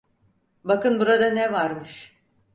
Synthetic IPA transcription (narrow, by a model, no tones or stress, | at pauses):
bakɯnbuɾad̪anɛvaɾmɯʃ